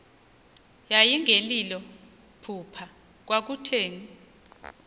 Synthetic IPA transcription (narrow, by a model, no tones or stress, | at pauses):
jajiŋʱelilɔ | pʰupʰa | k̬wak̬utʰeːŋi